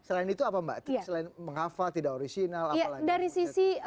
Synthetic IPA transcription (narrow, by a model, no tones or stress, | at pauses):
səlaɪnit̪uapamba̰t̪səlaɪnməŋafalt̪idakoɾisinalajalaɡdaɾisisi